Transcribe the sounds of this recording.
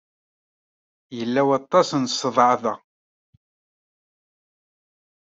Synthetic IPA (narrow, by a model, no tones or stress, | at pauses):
jəlːæwɑt̪ˤːɑsnsˤːəðˤʕðæ